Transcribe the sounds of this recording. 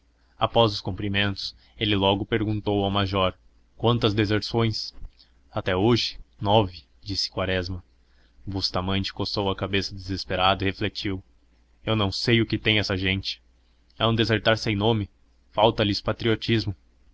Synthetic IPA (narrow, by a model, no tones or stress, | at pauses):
apɔzʊskũpɾimẽnt̪ʊ̥s | elɪlɔɡʊpeɾɡũnt̪owawmaʒɔɾ | kwɐ̃nt̪ɐzd̪ezeɾsõj̃s | at̪ɛoʒɪ̥nɔvɪ | d͡ʒisɪ̥kwaɾɛzmɐ | bust̪amɐ̃nt͡ʃɪ̥kosowɐkabesɐd̪ezespeɾad̪ɐɪheflet͡ʃiw | ewnɐ̃w̃sejʊkɪt̪ẽj̃ɛsɐʒẽnt͡ʃɪ̥ | ɛũd̪ezeɾt̪aɾsẽj̃nõmɪ | fawt̪ɐlɪspat̪ɾiot͡ʃizmʊ